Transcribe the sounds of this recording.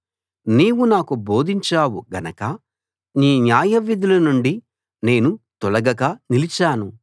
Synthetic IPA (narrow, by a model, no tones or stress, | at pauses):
niːwunaːkubo̞ːd̪iɲt͡ʃaːwuɡɐnɐkɐ | niːnjaːjɐʋid̪ulɐnuɳɖi | ne̞ːnut̪ɔlɐɡɐɡɐnilit͡ʃaːnu